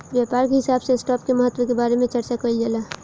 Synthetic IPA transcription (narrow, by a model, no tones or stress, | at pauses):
ʋjapaːɾkeɦɪsaːbseɪsʈaːp̚keməɦət̪ːwəkebaːɾemẽt͡ʃəɾt͡ʃakəild͡ʒəla